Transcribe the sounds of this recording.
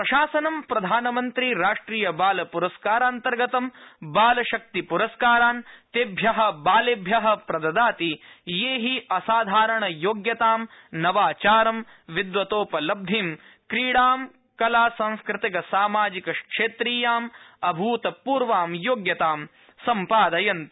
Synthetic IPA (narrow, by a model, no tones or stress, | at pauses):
pɾɐʃaːsɐnɐmpɾɐd̪ʱaːnɐmɐnt̪ɾiɾaːʂʈɾiːjɐbaːlɐpuɾɐskaːɾaːnt̪ɐɾɡɐt̪ɐmbaːlɐʃɐk̚t̪ipuɾɐskaːɾaːnt̪eːbʱjɐɦɐ̆baːlebʱjɐɦɐ̆pɾɐd̪ɐd̪aːt̪ijeːɦiɐsaːd̪ʱaːɾɐɳɐjoːɡjɐt̪aːmnɐʋaːt͡ʃaːɾɐm | ʋid̪ʋɐt̪oːpɐlɐb̚d̪ʱim | kɾiːɽaːm | kɐlaːsɐ̃ŋ̃skɾɪt̪ikɐsaːmaːd͡ʒikɐkʂeːt̪ɾiːjaːmɐbʱuːt̪ɐpuːɾʋaːmjoːɡjɐt̪aːm | sɐmpaːd̪ɐjɐnt̪